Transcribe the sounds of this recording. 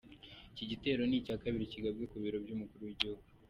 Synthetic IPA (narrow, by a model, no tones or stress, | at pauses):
iciɟite̞ːɾo̞nicaːkaβiɾiciɡabɡe̞kuβiɾo̞bjumukuɾuwiɟihuɡ̚u